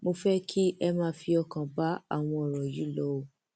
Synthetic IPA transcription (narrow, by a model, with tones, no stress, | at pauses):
mo˧fɛ˦kʰi˦ʔɛ˧mãː˦fi˧ɔ˧kã˨ba˦a̰˦˨w̃ɔ̃˧ɔ˨ɾɔ˨ji˨˦lɔ˨˦o˨